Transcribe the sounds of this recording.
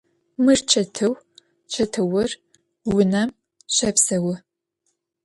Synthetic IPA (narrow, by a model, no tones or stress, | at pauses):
mɨrt͡ʃʰɐtʰɨw | t͡ʃʰɐtʰɨwʊr | wʊnɐm | ɕɐpsɐwʊ